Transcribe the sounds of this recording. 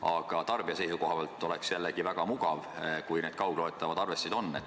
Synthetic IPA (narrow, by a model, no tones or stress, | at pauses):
ɑɡ̥ɑt̪ɑrb̥iɑse̞jsuko̞ɦɑbɑlt̪ːˑo̞leksjælːeɡ̥ivæɡ̥ɑmuɡ̥ɑvkujne̞d̪̥kɑwɡ̥lot̪ːˑɑvɑd̪ɑrve̞sːid̪̥o̞nːet̪